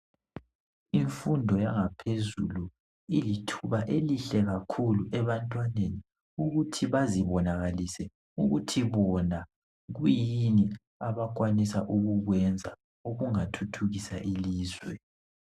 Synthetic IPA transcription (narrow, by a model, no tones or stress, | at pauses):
iɱfundʱɔjaŋapʰezulu | ilitʰuβaʔeliɬɛɣakʰuluʔɛβantʼwaneni | uɣutʰiβaziβɔnaɣalisɛ | uɣutʰiβɔna | ɣujini | aβak̬ʼwanisaʔuɣuɣwɛnd͡zʱa | uɣuŋatʰutʰuɣisa̰ʔiliːzwɛ